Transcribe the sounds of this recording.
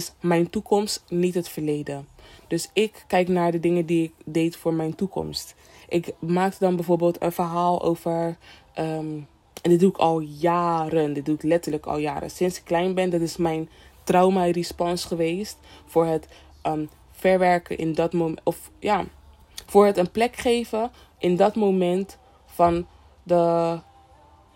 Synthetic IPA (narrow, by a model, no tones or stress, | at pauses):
ɪsmɛjntukɔmstnitɦətfəɹlejdəd̥ɵsɪkːɛjknaːɹdədɪŋədiɪk̚dejtfʊːɹmɛjntukɔ̰mst | ʔɪkmaːk̚tədɑnbɛjvoːɹbeːlˠtə̰nfəɹɦaːlˠʔo̰wvəɹ | ə | ndɪduɪkɑlˠjaːɾəndɪd̚duɪklɛtələkɑ̰lˠja̰ːɾə̰sɪnsɪ̥kːlɛjnbɛndɑtɪsmɛjntrawmarispɔnsχəʋejstfʊːɹɦət | ə | fɛɹʋɛɹkənʔɪ̰ndɑtmoɔf | jaː | fʊːɹɦətənplɛkχejvə | ʔɪndɑtmowmɛnt | fɑn | də